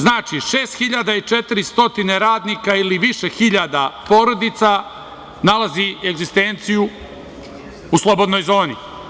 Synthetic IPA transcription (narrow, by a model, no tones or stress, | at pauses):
znaːt͡ʃiʃeːst̪xiʎad̪ait͡ʃet̪iɾist̪o̞t̪ineɾaːd̪nikailiʋiʃe̞xiʎad̪apo̞ːɾo̞d̪it̪sa | nalˠazieɡzist̪e̞nt̪siju | uslˠo̞bod̪no̞jzo̞ːnḭ